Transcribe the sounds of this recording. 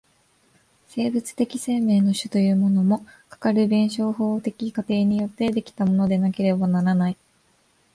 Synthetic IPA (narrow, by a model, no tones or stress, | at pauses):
se̞ːbɯ̟t͡sɨ̥t̪e̞kʲise̞ːme̞ːno̞ɕɨt̪o̞jɯ̟ːmo̞no̞mo̞kḁkaɾɯ̟bẽ̞ɰ̃ɕo̞ːho̞ːt̪e̞kʲikat̪e̞ːɲ̟ijo̞t̪ːe̞d̪e̞kʲi̥t̪amo̞no̞d̪e̞nake̞ɾe̞banaɾanai